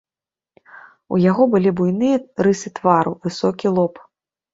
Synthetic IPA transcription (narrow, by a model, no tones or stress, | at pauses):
ṵjaɣɔbɨlʲibujnɨjɐrɨsɨt̪vaɾṵvɨsɔkʲilˠɔp